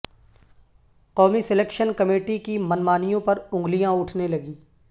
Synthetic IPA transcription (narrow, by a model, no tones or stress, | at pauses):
qɔːmiseleːkʃənkɐmeːʈikimɐnmaːnijõpɐɾʊ̃ŋɡlijãʊʈʰnelɐɡiː